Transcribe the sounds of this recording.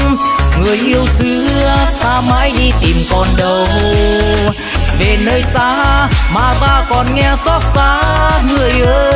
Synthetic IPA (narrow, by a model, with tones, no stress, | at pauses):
ŋɨ˨˩əjʔi˧əwsɨ˨˦saː˧maː˧˦˥jɗi˧t̪i˨˩mkɔ˨˩nɗə˨˩w | ve˨˩nəː˧jsaː˧˥maː˨˩t̪aː˧kɔ˨˩nŋɛ˧sɔ˦˥t̚saː˧˥ŋɨ˨˩əjʔəː˧˦